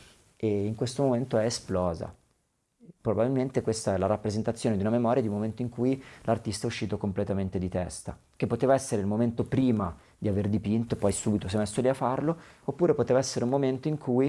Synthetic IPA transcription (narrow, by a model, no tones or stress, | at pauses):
eiŋkwest̪omoment̪oɛesplɔːza̰ | pɾobabilment̪ekwest̪aɛlaɾapːɾezent̪at̪sːjoːned̪iunamemɔːɾjad̪iũmːoment̪oiŋkujlart̪ist̪aɛuʃːiːt̪okomplet̪ament̪ed̪it̪ɛst̪a̰ | k̟epːot̪eːvaɛsːeɾeilmoment̪opɾiːma | d̪iaverd̪ipint̪oepːɔjsuːbit̪osemesːoliafːarloopːuːɾepot̪eːvaɛsːeɾeumoment̪oiŋkʰuj